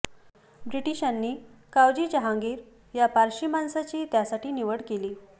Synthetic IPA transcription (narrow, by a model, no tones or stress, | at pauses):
bɾiʈiɕanːiːkawd͡ʑiːt͡ɕaɦaŋɡiɾ | japaɾɕimansat͡ɕiːt̪jasaʈiːniʋəɽkeliː